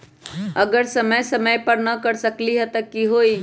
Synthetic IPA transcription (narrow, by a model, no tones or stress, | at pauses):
əɡəɾsəməjsəməjpəɾnəkəɾsəkliɦɛt̪əkiɦo